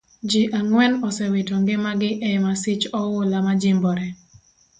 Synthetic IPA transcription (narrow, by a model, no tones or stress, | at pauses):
d͡ʒɪʔaŋwɛnɔsɛwɪtɔŋɡɪmaɡɪʔɛmasɪt͡ʃɔwʊlamad͡ʒɪmbɔɾɛ